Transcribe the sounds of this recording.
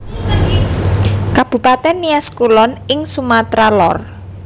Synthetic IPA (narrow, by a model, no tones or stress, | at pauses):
kab̥ṳpat̪ɛnːiaskulɔnɪŋsumat̪ɾalɔr